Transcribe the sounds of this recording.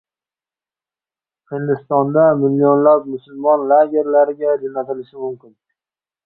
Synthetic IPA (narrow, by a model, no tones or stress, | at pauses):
hɪnd̪ɪst̪ɒnd̪amɪlːionlap̚mʊsʊlmɒnlaɡʲe̞ɾlaɾɪɡʲad͡ʒonat̪ʰɪlɪʃɪmʊmkʲɪn